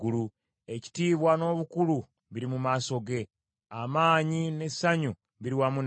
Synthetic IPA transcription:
ulu | e̞ci̥tiːβwano̞ːβukulu | βiɾimumaːso̞ɡe̞ | amaːɲine̞saɲu | βiɾiwamun

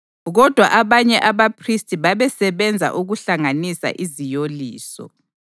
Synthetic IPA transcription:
ɣɔd̥ʱwa̰ʔaβaɲɛʔaβapʰristʼiβaβɛsɛβɛnd͡zʱa̰ʔuɣuɬaŋanisa̰ʔizijoliːsɔ̰

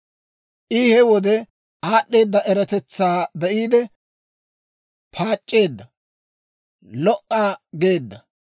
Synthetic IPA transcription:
ʔɪhɛwɔd̪ɛ | aːɗːe̞ːd̪ːɐʔɛɾɐt̪ɛt͡sːaːbɛʔiːd̪ɛ | pʰaːt͡ʃʼːe̞ːd̪ːɐ | lɔʔʼːaːɡe̞ːd̪ːɐ

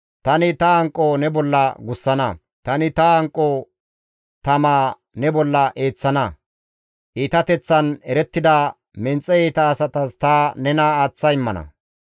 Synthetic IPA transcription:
t̪ɐnɪt̪ɐɐŋkʼːonɛbɔlːɐɡʊsːɐnɐ̰ | t̪ɐnɪt̪ɐɐŋkʼːoː | t̪ɐmaː | nɛbɔlːɐʔe̞ːt͡sːɐnɐ | ʔiːt̪ɐt̪ɛt͡sːɐnɛɾɛt̪ːɪd̪a | mɛnt͡sʼːɛjeːt̪ɐːsɐt̪ɐst̪ɐnɛnaːaːt͡sːɐɪmːɐnɐ̰

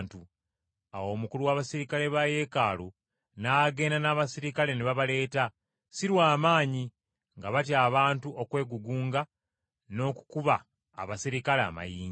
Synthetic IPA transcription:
ntu | a̰wo̞ːmukuluwaːβasiɾikale̞βaje̞kalu | naɡe̞ːndanaːβasiɾikale̞neβaβale̞ːta | siɾwaːmaːɲi | ŋɡaβatjaːβaːntuʔo̞kwe̞ːɡuɡuːŋɡa | no̞ːku̥kuβa̰ː | βasiɾikalea̰ma̰jiːŋ

